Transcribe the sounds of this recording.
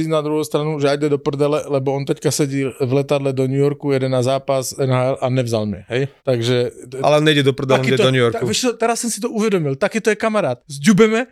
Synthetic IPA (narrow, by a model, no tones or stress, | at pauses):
inad̪ɾuɦɔʊst̪ɾanuʒɛajd̪ɛd̪ɔpr̩d̪ɛlɛlɛbɔɔnt̪ɛckasɛɟivlɛt̪ad̪lɛd̪ɔɲujɔɾkujɛd̪ɛnazaːpazɛnɦaɛlʔanɛvza̰lmɛ̰ɦɛjt̪aɡʒɛa̰lɛɔnɛjɟɛd̪ɔpr̩d̪ɛakiɛdɔɲujɔɾkʋɛt͡ʃɔt̪ɛɾasːɔmsi̥t̪ɔuʋɛd̪ɔmilt̪akiːt̪ɔjɛkamaɾaːt̪zɟubɛmɛ